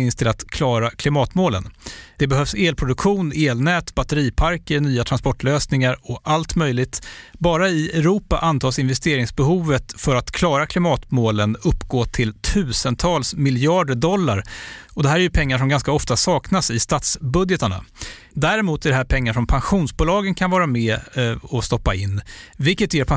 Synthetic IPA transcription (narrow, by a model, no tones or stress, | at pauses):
ɪnst̪ʰɪlat̪kʰlɑːɾakʰlɪmɑːt̪moːlə̰nd̪̥ɛbɛɦœvseːlpʰɾʊd̪ɵkɧuːneːlnɛːt̪bat̪əɾiːpʰaɾkənyːat̪ʰɾanspɔʈːløːsnɪŋaɾɔʔalt̪mœjlɪɡt̪bɑːɾaɪɛɾuːpaʔant̪ʰɑːsɪnvɛst̪eːɾɪŋsbɛɦuːvət̪fœɾat̪kʰlɑːɾakʰlɪmɑːt̪moːlənɵpːɡoːt̪ʰɪlt̪ʰʉ̟ːsənt̪ʰɑːlsmɪljɑːɖəɖɔlːa̰ɾɔd̪ɛɦæːɾɛɾjɵpʰɛŋːaʂ̬ɔmɡanskaɔft̪asɑːknasɪst̪ɑːt̪sbɵd̪jɛt̪əɳa̰ | d̪æɾɛmuːt̪æɖɛhæːɾpʰɛŋːaʂɔmpʰanɧuːnsbʊːlɑːɡənkʰanvɑːɾamɛːɔst̪ɔpːa̰ɪnːvɪlkːət̪jeːɾpʰa